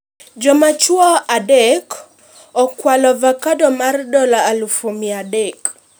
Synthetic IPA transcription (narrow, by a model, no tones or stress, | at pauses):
d͡ʒɔmat͡ʃwɔʔadɛk | ɔkwalɔvakadɔmardɔlaːlufomiadɛk